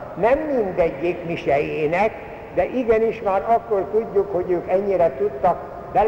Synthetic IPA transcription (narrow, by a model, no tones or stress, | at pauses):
nɛmːind̪ɛɟːekmiʃɛjeːnɛk | d̪ɛʔiɡɛniʃmaːɾɒkːo̞rt̪uɟːukho̞ɟøːkɛɲːiɾɛt̪ut̪ːɒk | bɛl